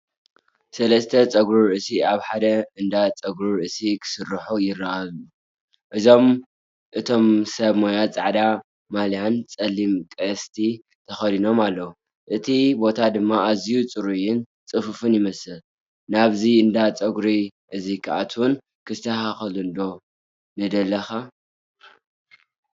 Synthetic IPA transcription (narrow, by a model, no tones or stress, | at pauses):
sɐlɐst̪ʰɐt͡sʼɐɡɾuɾɨʔsiaβħad̪ɐɨnd̪at͡sʼɐɡɾuɾɨʔsikʰɨ̥sɨrːħujɪrːaʔalu | ʔɨzo̞m | ʔɨt̪ʰo̞msɐβmojat͡sʼaʕd̪a | maljant͡sʼɐlːimkʼɐst̪ʰi | t̪ʰɐxɐd̪ino̞malːɐwu | ʔɨt̪ʰibo̞t̪ʰad̪ɨmːaazijut͡sʼɨɾujɪn | t͡sʼɨfɨfɨnjɪmɐsɨl | naβziɨnd̪at͡sʼɐɡɾiʔɨzikʰa̰ʔat̪ʰwun | kʰɨst̪ʰɐhaxɐlɨnd̪o̞ | nɨd̪ɐlːɐxa